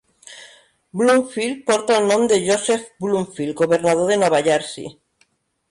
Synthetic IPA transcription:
bluɱfil̚poɾt̪alnõmd̪eʝosefbluɱfilɡoβeɾnað̞oðenoβaʎaɾsḭ

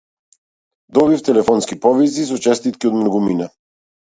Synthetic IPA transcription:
d̪ɔβift̪ɛlɛfɔnskipɔvis̬is̬ɔt͡ʃɛst̪it̪kiɔd̪mnɔɡumina

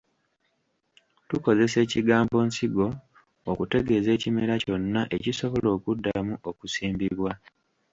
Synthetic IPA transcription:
tuko̞ze̞se̞ːciɡaːmbo̞ːnsiɡo̞ː | kute̞ɡe̞ze̞ːcime̞ɾaco̞nːaʔe̞ciso̞βo̞lo̞ːkudːamuokusiːmbiβwa

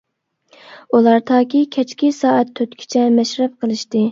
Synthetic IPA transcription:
ulˠɑɾt̪ʰɑːkʲikʲʰɛt͡ʃkʲisɑːæt̪ʰːøt̪kʲʰi̥t͡ʃʰɛmɛʃɾɛp̚qʰəlˠɨʃt̪ɨ

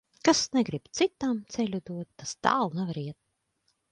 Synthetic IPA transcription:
kasnɛɡɾibt̪sit̪amt̪sɛlʲud̪uɔt̪ːast̪a̰ːlˠnavaɾiɛt̪̚

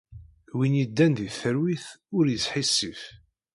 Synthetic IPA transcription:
winjid̪ːænðiθəɾwiθʊɾjəsħisːif

